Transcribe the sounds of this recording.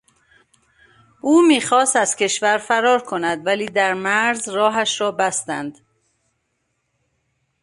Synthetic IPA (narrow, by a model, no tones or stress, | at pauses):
ʔuːmiːxɒːst̪æz̥kcʰʲe̞ʃvæɾfæɾɒːɾkʰo̞næd̪væliːd̪æɾmæɾzrɒːɦæʃɾɒːbæst̪ænd̪̥